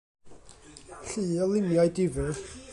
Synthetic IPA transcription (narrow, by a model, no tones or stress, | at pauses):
ɬɨːɔlˠɪmjajdɪvɨ